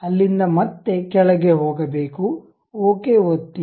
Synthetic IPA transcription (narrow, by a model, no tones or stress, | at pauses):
ɐlːind̪ɐmɐt̪ːe̞kɛɭɐɡeɦoːɡɐbeːku | oːkeːɦot̪ːi